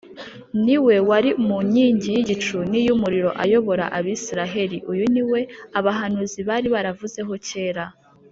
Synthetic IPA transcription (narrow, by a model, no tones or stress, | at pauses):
niwe̞waɾiumuɲiːɲɟijiɟit͡ʃunijumuɾiɾo̞ʔajo̞βo̞ɾa̰ʔaβisiɾaɦe̞ɾiʔujuniwe̞aβaɦanuziβaːɾiβaɾavuze̞ɦo̞ce̞ːɾa